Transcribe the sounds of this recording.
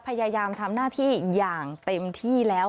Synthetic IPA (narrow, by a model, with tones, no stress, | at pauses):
pʰa˧jaː˧jaː˧mt̪ʰa˧mnaː˥˩t̪ʰiː˥˩jaː˨˩ŋt̪e˧mt̪ʰiː˥˩lɛː˦˥w